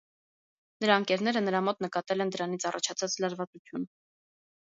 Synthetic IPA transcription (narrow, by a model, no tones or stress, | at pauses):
nəɾɑəŋkɛɾnɛɾənəɾɑmɔt̪nəkɑt̪ɛlɛnd̪əɾɑnit͡sʰɑrɑt͡ʃʰɑt͡sʰɑt͡slɑɾvɑt͡sut͡sʰjun